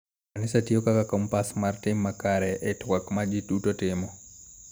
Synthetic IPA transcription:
anɪsatiokakakɔmpasmartɪmːakaɾɛʔɛtwakmad͡ʒɪtutotɪmɔ

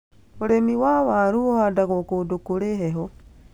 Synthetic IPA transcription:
oɾemiwawaɾuohadaɣokodokuɾeheɦo

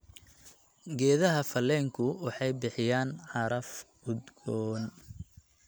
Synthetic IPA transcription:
ɡɛːðɐɦɐfɐlːɛːŋkʰʊwɑħɑjbɪħɪjaːnʕɑɾɐf | ʊd̪ɡɔːn

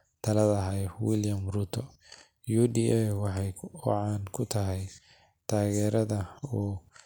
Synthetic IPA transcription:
t̪ʰɐlɐðɐɦawɪljɐmruːt̪ʰɔ | juːd̪iːʔɛwɑħɑj̰ʕɑːnkʰʊt̪ʰɐɦɛj | t̪ʰaːɣɛːɾɐðɐuː

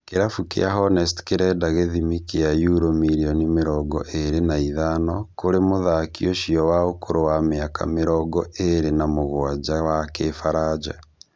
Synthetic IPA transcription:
keɾafukḛaɦɔnɛstkeɾɛdaɣeðimikeajuɾomiɾiɔnimeɾɔɡɔ̰ʔeɾenaiðanɔkoɾemoðakjoʃiɔwaokoɾowameaka̰meɾɔɡɔʔeɾenamoɣwad͡ʒawakefaɾad͡ʒa̰

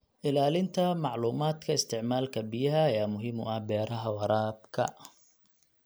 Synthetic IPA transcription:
ʔɪlaːlɪnt̪ʰɐmɑʕluːmaːd̪kʰɐɪst̪ʰɪʕmaːlkʰɐbɪjɐɦɐːjaːmʊɦɪmʊʔɐhbɛːɾɐɦɐwɑɾaːb̚kʰɐ̰

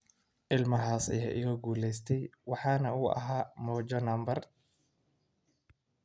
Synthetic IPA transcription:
ʔɪlmɐɦaːsɐ̰ja̰ːʔɪɣɐɡuːlɛjst̪ʰɛjwɑħɑːnɐuːʔɐ̰ɦaːmɔːt͡ʃɐnɐmbɐr

